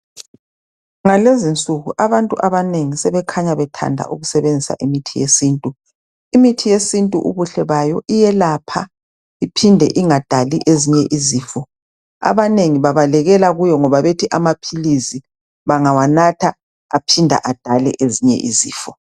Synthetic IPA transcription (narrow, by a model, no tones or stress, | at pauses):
ŋalezint͡sʼuɣuʔaβantʼuʔaβaneŋisɛβɛkʰaɲaβɛtʰa̰ndʱa̰ʔuɣusɛβend͡zʱisa̰ʔimitʰijḛsiːntʼu | imitʰijesintʼuʔuβuɬɛβajɔʔijɛlapʰa | ipʰindʱɛ̰ʔiŋad̥ʱaliʔeziɲɛʔiziːfɔ | a̰βaneŋiβaβalɛɣɛlaɣujɔŋɔβaβetʰiʔamapʰilizi | βaŋawanatʰa | apʰindʱa̰ʔad̥ʱalɛ̰ʔeziɲɛ̰ʔḭzḭːfɔ